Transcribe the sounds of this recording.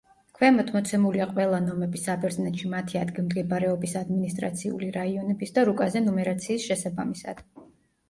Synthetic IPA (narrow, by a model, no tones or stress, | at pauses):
kʰwɛmɔt̪ʰmɔt̪sʰɛmuliaqʼwɛlˠanɔmɛbisabɛɾznɛt̪ʃimat̪ʰiad̪ɡimd̪ɡɛbɾɛɔbisad̪minist̪ʼɾa̰t̪sʰiṵliɾaiɔnɛbisd̪aɾukʼazɛnɔmɛɾat̪sʰiːsʃɛsabamisa̰d̪̥